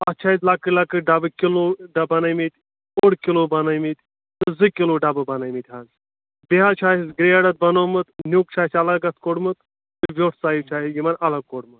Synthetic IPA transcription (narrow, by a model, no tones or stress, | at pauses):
ɐt͡ʃʰaːizlakɨlɐkɨɖɐbɨkʲiloɖɐbɐnɐjmit̪ʲ | oɽkiloːbɐnɐmit̪ʲ | t̪ɨzɨkʲiloːɖabɨbɐnɐjmit̪ʲɦaːn | beɦat͡ʃʰaːisɡɾeɐɽɐt̪̚bɐnoːmɨt̪nʲjuk̚t͡ʃʰaːsʲɐlɐɡɐt̪koɽmɨt̪ | zɨʋʲoːʈʰsaːjiwt͡ʃʰaːiɡimɐnɐlɐɡ̚koɽmɨt̪̚